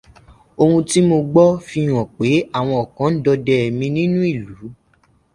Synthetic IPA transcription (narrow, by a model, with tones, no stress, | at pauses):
o˧ũ˧ti˦mo˧ɡ͡bɔ˦fi˧˦˨j̃ɔ̃˨k͡pe˨˦a˦˨w̃ɔ̃˧ɔ˨kã˨˦n̩˦dɔ˧dɛ˨mĩ˧nĩ˦nũ˦i˦˨lu˨˦